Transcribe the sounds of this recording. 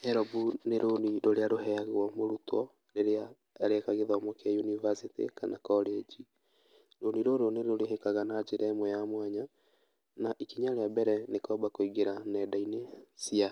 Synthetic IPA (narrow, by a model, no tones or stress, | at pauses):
hɛɾɔbuneɾoniɾoɾeaɾoɦɛaɣɔmoɾutwɔ | ɾeɾea | ɾeɛkaɣeðɔmokajunivasitḭkanakɔled͡ʒi | ɾoniɾoɾoneɾoɾeɦekaɣanad͡ʒeɾʔɛmwɛjamwaɲa | naʔikiɲaɾeabɛɾɛnekɔbakoiɣeɾanɛdainesia